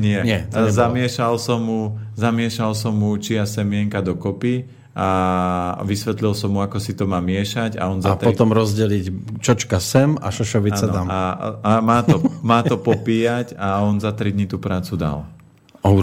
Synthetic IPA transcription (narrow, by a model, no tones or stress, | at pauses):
ɲɪɛɲɛɛzamɪɛʃalsɔmɦu | zamɪɛʃalsɔmɦut͡ʃiasɛmɪɛŋkad̪ɔkɔpi | a | ʋisʋɛt̪lilsɔmɦuakɔsit̪ɔmaːmɪɛʃaɟa̰ɔnzaat̪ɾpɔt̪ɔmɾɔzɟɛlict͡ʃɔt͡ʃkasɛma̰ʃɔʃɔʋiat͡sanɔamaamaːt̪ɔmaːt̪ɔpɔpiːjacaɔnzat̪ɾid̪ɲit̪uːpɾaːt͡sud̪a̰l | ɔ